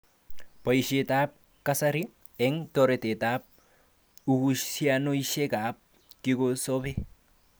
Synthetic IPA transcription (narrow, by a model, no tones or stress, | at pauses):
pajʃet̪ap̚ | kasaɾi | ɛŋt̪oɾet̪etap̚ | ukuianoiʃekap̚ | kikosobe